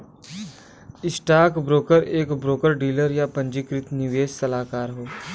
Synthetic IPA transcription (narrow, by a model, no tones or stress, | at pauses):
ɪsʈaːkbɾoːkəɾeːkbɾoːkəɾɖiːləɾjapɐ̃ɲd͡ʒikɾɪt̪nɪʋeːssɐlaːkaːɾɦoː